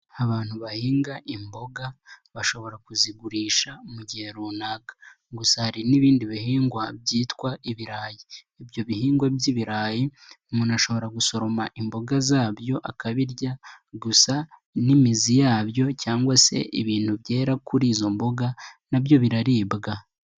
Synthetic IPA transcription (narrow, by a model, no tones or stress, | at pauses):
aβaːn̥huβahiːŋɡaʔimbo̞ɡaβaʃo̞βo̞ɾakuziɡuɾiːʃamuɟihe̞ɾunaɡḁ | ɡusahaɾiniβiːndiβihiːŋɡwabɟiːtkwaʔiβiɾaːjiː | bjo̞βihiːŋɡwabɟiβiɾaːjiumunaʃo̞βo̞ɾaɡuso̞ɾo̞maʔimbo̞ɡazaːβjo̞ʔakaβiɾɟaɡusanimizijaːβjo̞caːŋɡwase̞̰ʔiβiːn̥huβje̞ːɾakʰuɾiːzo̞mbo̞ɡanabjo̞βiɾaɾiːbɡa